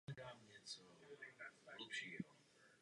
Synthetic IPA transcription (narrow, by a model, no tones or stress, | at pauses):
ɛdaːmɲɛt͡sɔ | lɛpʃiːɦɔ